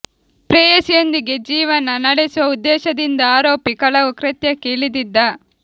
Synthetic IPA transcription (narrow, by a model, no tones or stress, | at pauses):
pɾeːjɐsijɐnd̪iɡed͡ʒiːʋɐnɐnɐɽesuʋɐud̪ːɛːʃɐd̪ind̪ɐaːɾo̞ːpikɐɭɐʋukɾɐt̪jɐkeːɭid̪id̪ːɐ